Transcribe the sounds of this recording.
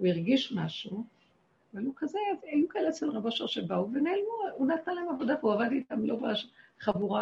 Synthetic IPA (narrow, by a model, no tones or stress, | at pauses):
uiʁɡiʃmaʃu | avalukazeajukaelet͡selʁabaʃaʁʃebauvenelmuunatalaemavo̞davuavaditamlobaʃχavuʁa